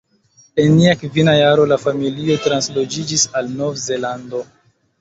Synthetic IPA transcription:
e̞nːiakvinajaɾo̞lafamiliotɾanslo̞d͡ʒid͡ʒisalno̞vze̞lando̞

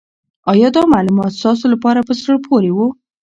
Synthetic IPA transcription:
ɑjɑd̪ɑmalumɑt̪st̪ɑs̬olapɑɾapəsəɭpʰoɾewo

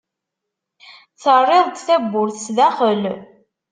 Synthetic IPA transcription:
θərˤːeðˤt̪θæbːʊɾθsðæχəl

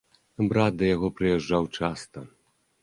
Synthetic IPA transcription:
bɾat̪̚d̪ɐjaɣɔpɾɨjɛʐːawt͡ʂast̪ɐ

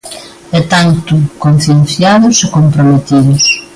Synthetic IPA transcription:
ɛt̪ant̪ʊkon̟θjen̟θjaðʊsekompɾomet̪iðʊs

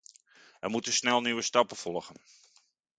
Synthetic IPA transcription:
ɛmutəsnɛlˠnyʋəstɑpəfɔlˠɣən

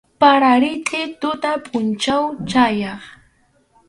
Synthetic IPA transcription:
paɾaɾɪt͡sɪt̪ʊt̪apʰʊnt͡ʃawt͡ʃajɑχ

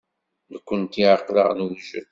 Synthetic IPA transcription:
nəkʷːənt̪iʕəqːlə̰ʁnwʒə̰l

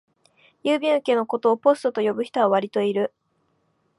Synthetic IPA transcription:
jɯːbʲĩɰke̞ːno̞ko̞t̪o̞ːpo̞sɨ̥t̪o̞t̪o̞jo̞bɯ̟çi̥t̪o̞βaβ̞aɾʲit̪o̞iɾɯ̟

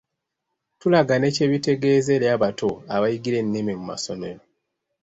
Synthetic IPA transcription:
tulaɡane̞ce̞βite̞ɡe̞ːze̞ljaβatoaβajiɡiɾe̞nːememuma̰so̞me̞ɾo̞

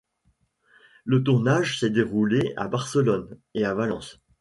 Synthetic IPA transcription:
lət̪uʁnaʒsɛd̪eʁulea̰baʁsəlɔneavalɑ̰̃s

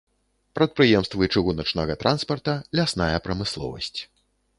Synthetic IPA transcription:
pɾɐt̪̚pɾɨjɛmst̪vɨt͡ʂɨɣunɐt͡ʂnɐɣɐt̪ɾʔanspɐrt̪ɐlʲasnajɐpɾɐmɨslˠɔ̰vɐ̰sʲt͡sʲ

